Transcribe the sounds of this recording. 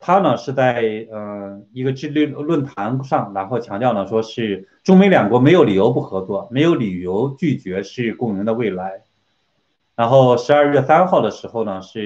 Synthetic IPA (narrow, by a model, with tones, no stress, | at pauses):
t̪ʰa˥nə˨ʂɻ̩˥˧t͡sa˥˩ɪɪə˧˩i˧˥ɡə˧ʈ͡ʂɻ̩˥˧ly˥˧lwə˥˩nt̪ʰa˧˥nʂɑ˥˩ŋɻa˧˥nxo˥˧ʊt͡ɕʰjɑ˧˥ŋt̪jɑ˥˩ʊnə˩ʂwɔ˥ʂɻ̩˥˩ʈ͡ʂʊ˥ŋme˧˥ɪljɑ˨˩ŋkwɔ˧˥me˧˥ɪjo˧˥ʊli˨˩jo˧˥ʊp̬u˥˩xɤ˧˥t͡swɔ˥˩me˧˥ɪjo˧˥li˨˩jo˧˥ʊt͡ɕy˥˩t͡ɕɥɛ˧˥ʂɻ̩˥˧kʊ˥˩ŋi˧˥ŋd̪ə˧we˥˩ɪla˧˥ɪ | ɻa˧˥nxo˥˩ʊʂɻ̩˧˥ɐ˞˥˧ɥɛ˥˩sa˥nxɑ˥˩ʊd̪ə˩ʂɻ̩˧˥xo˥˩ʊnə˩ʂɻ̩˥˩